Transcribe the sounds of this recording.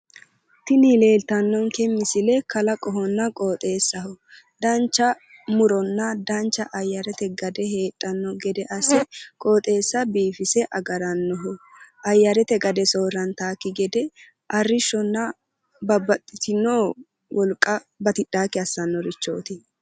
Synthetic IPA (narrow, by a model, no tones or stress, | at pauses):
t̪ɪnile̞ːlt̪ɐnːɔŋkɛmːɪsɪlɛkɐlɐkʼɔɦɔnːɐkʼo̞ːt̪ʼe̞ːsːɐhɔ | d̪ɐnt͡ʃːɐ | mʊɾɔnːɐd̪ɐnt͡ʃːɐʔɐjːɐɾɛt̪ɛɡɐd̪ɛheːt̪ʼːɐnːɔɡɛd̪ɛʔɐsɛkʼo̞ːt̪ʼe̞ːsːɐbiːfɪsɛʔɐɡɐɾɐnːɔɦɔ | ʔɐjːɐɾɛt̪ɛɡɐd̪ɛsoːrɐnt̪aːkːɪɡɛd̪ɛ | ʔɐrːɪʃːɔnːɐ | bɐbɐt̪ʼːɪt̪ɪnːoː | wʔɔlkʼːɐ | bɐt̪ɪɗ̥ːaːkːɪɐsːɐnːɔɾɪt͡ʃːo̞̰ːt̪ɪ